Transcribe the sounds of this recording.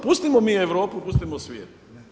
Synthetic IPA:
pust̪imomiːeʋɾoːpupust̪imosʋʲjeːt̪̚

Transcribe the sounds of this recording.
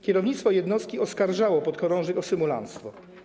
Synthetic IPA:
kʲɛɾɔvɲit̪st̪fɔjɛd̪nɔst̪̚kʲiɔskaɾʐawɔpɔt̪kɔɾɔ̃w̃ʐɛkɔsɘmula̰nt̪st̪fɔ

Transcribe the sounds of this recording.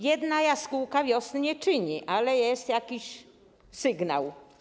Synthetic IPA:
jɛd̪najaskuwkavʲjɔsnɲɛt͡ʂɘɲiʔalɛjɛst̪jakʲiɕ | sɘɡna̰w

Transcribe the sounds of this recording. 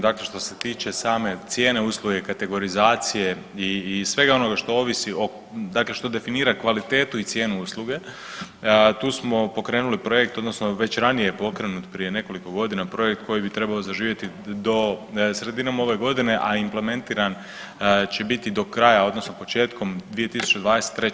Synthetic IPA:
d̪akle̞ʃt̪o̞se̞t̪iːt͡ʃe̞saːme̞t̪sje̞ːne̞uːslˠuɡe̞kat̪e̞ɡo̞ɾizaːt̪sije̞ | iːsʋe̞ɡao̞no̞ɡaʃt̪o̞oːʋisiʔo̞ | d̪akle̞ʃt̪o̞d̪e̞finiːɾakʋalit̪e̞ːt̪uit̪sje̞ːnuuslˠuɡe̞ | t̪uːsmo̞po̞kɾeːnulipɾoje̞k̚t̪o̞d̪nosno̞ʋet͡ɕɾanijejepo̞kɾe̞nut̪pɾije̞ne̞ko̞liko̞ɡo̞d̪inapɾo̞jekt̪kʰo̞jibit̪ɾe̞bao̞zaʒiːʋje̞t̪i | d̪o̞sɾe̞d̪inomao̞ʋe̞ɡo̞d̪ine̞ʔaimple̞me̞nt̪iːɾan | t͡ɕe̞bit̪id̪o̞kɾajao̞d̪no̞snopo̞t͡ʃe̞ːt̪ko̞md̪ʋije̞t̪isu̥t͡ɕed̪ʋaːd̪eset̪ːɾe

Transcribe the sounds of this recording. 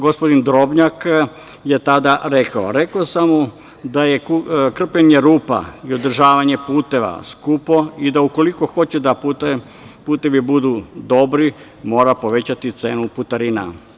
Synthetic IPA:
ɡo̞spo̞d̪ind̪ɾo̞bɲak | je̞t̪ad̪aɾe̞kao̰ɾe̞kosamu | d̪aje̞kkr̩pʎeɲe̞ɾuːpa̰io̞d̪r̩ʒaːʋaɲe̞puːt̪e̞ʋa̰skupo̞id̪auko̞liko̞xo̞t͡ɕed̪apu | puːt̪e̞ʋibud̪ud̪o̞bɾi | mo̞ːɾapo̞ʋe̞t͡ɕat̪it̪se̞ːnuput̪aɾina̰

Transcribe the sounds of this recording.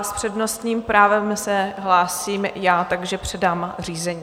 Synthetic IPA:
spr̥ɛdno̞st̪ɲiːmpɾaːvɛmsɛɦlaːsiːmjaːt̪aɡʒɛpr̥ɛdaːmr̝iːzɛɲiː

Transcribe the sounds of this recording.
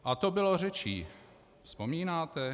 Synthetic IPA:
ʔat̪obɪlor̝ɛt͡ʃiː | fspomiːnaːt̪ɛ

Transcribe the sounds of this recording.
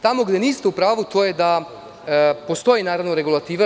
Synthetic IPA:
t̪amo̞ɡd̪e̞niːst̪e̞upɾaːʋut̪o̞ːje̞d̪a | po̞st̪o̞jinaːɾaʋnoɾeɡulˠat̪iːʋa

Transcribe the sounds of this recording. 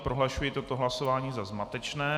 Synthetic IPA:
pɾʔoɦlaʃujit̪ott̪oɦlaso̞vaːɲiːzazmat̪ɛt͡ʃnɛː

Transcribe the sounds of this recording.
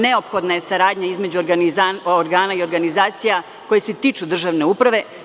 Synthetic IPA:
ne̞o̞pxo̞d̪naje̞saɾaːd̪ɲaizme̞d͡ʑu | oɾɡaːnaio̞ɾɡanizaːt̪sija | ko̞jeset̪iːt͡ʃud̪r̩ʒaʋneuːpɾaʋe̞

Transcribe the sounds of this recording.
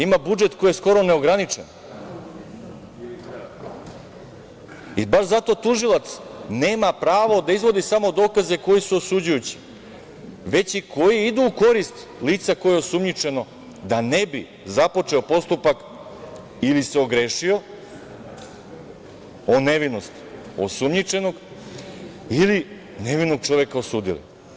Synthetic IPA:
imabud͡ʒe̞t̪kojesko̞ɾo̞ne̞oɡɾanit͡ʃe̞̰n | ibaʃzat̪o̞t̪uʒilˠat̪sne̞ːmapɾaːʋo̞d̪aizʋo̞d̪isamod̪o̞ːkaze̞ko̞jisuosud͡ʑujut͡ɕi̥ | ʋe̞t͡ɕikʰo̞jiid̪uːko̞ɾist̪ | liːt̪sako̞jeosumɲit͡ʃe̞no̞ | d̪ane̞bi | zapo̞t͡ʃe̞o̞po̞st̪upak | ilise̞o̞ɡɾeʃio̞ | one̞ʋino̞st̪o̰sumɲit͡ʃe̞no̞ɡ | ili | ne̞ʋinoɡ̚t͡ʃo̞ʋekaosuːd̪ḭlḭ

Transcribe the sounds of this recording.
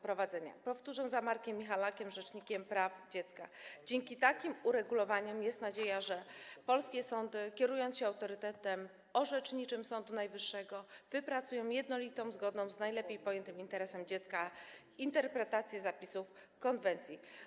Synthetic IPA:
pɾɔvad̪zɛɲa̰pɔft̪uʐɛwzamaɾkʲɛmʲːixalakʲɛmʐɛt͡ʂɲikʲɛmpɾavd͡ʑɛt̪ska̰d͡ʑɛŋkʲit̪akʲimuɾɛɡulɔvaɲɛmjɛst̪nad͡ʑejaʐɛpɔlskʲɛsɔnd̪ɘkʲɛɾujɔ̃nsɕɛawt̪ɔɾɘt̪ɛt̪ɛm | ɔʐɛt͡ʂɲit͡ʂɘmsɔnd̪unajvɘʂːɛɡɔvɘpɾat̪sujɔ̃w̃jɛd̪nɔlʲit̪ɔ̃w̃zɡɔd̪nɔ̃w̃znajlɛpʲejpɔjɛnt̪ɘmint̪ɛɾɛsɛmd͡ʑɛt̪ska | int̪ɛɾpɾɛt̪at̪sʲjɛzapʲisuf | kɔnvɛnt̪sʲji

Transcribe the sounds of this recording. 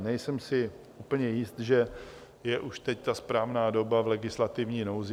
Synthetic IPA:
nɛjsɛmsɪ | ʔuːpl̩ɲɛjɪst̪ʒɛ | jɛʔuʃt̪ɛct̪aspɾaːvnaːdo̞bavlɛɡɪslat̪ɪvɲiːnowz

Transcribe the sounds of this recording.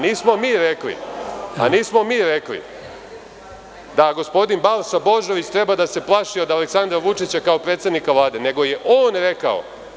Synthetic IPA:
niːsmo̞miːɾeklḭa̰niːsmo̞miːɾeklḭ | d̪aɡo̞spo̞d̪inbalsabo̞ʒo̞ʋit͡ɕt̪ɾe̞bad̪ase̞plˠaʃiod̪aleksand̪ɾaʋut͡ʂit͡ɕakaopɾet̪sed̪nikaʋlˠaːd̪ene̞ɡo̞je̞ʔoːnɾe̞ka̰o̞̰

